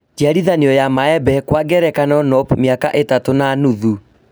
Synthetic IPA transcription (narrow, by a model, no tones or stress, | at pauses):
tiaɾiðaniɔjamaɛbɛkwaɡɛɾɛkanɔnɔpmeaka̰ʔetatonanuðu